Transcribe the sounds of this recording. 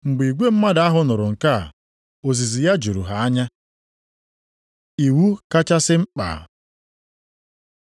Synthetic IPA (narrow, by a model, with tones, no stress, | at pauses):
ŋ͡m̩˨ɡ͡bi˨ɡʷe˦m̩˦ma˦da˨a˦ɦʊ˦nʊ˨ɾʊ˨ŋ̩˨ka̰˦˨ | o˨zi˨zi˨ja˦d͡ʒu˨ɾṵ˨ɦa˨a˦ɲa˦ | i˨wu˦ka˦t͡ʃa˦sɪ˦ŋ͡m̩˦k͡pa̰˨